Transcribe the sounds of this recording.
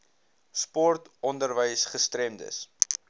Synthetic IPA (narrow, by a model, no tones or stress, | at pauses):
spɔrtɔndərvəjsχəstɾɛmdə̰s